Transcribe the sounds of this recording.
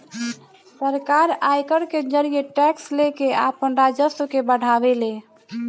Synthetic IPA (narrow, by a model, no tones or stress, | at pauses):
səɾkaɾajkəɽked͡ʒəɾijeʈɛkslekeapənɾad͡ʒəskebəɽ̤abele